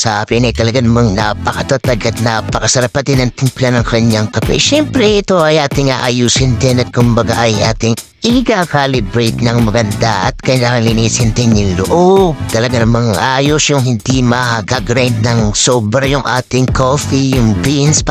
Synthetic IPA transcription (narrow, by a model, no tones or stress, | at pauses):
sapɪnɐjt̪ɐlɐɡanɐmɐŋnapɐkɐt̪at̪aɡɐt̪̚napɐkɐsɐɾɐpɐt̪ɪnɐŋt̪ɪmplanɐŋkɐɾɐɲjaŋkɐpɛ̰ʃɛmpɾɛɪt̪o̞ɐjʔaːt̪ɪŋa̰ːʔɐjusɪnd̪ɛnɐt̪̚kʊmbɐɡaʔɐjʔaːt̪ɪŋ | ʔɪkakalɪbɾejt̪nɐŋmɐɡɐnd̪a̰ʔɐ̰t̪̚kɐjlaɐŋlɪnisɪnt̪ɛnɪŋloʔob̚t̪ɐlɐɡanɐmɐŋʔajosjʊŋɦɪnd̪imɐɡaɡɾand̪̚nɐŋsobɾɐjʊŋʔaːt̪ɪŋkofijʊŋbins